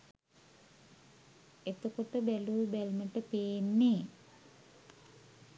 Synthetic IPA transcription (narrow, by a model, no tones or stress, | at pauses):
et̪okoʈəbæluːbælməʈəpeːnːeː